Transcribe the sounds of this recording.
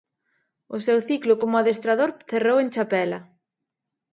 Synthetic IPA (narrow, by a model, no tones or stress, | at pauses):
ʊsɛwθiklʊkomʊaðest̪ɾaðoɾθeroweŋt͡ʃapɛlɐ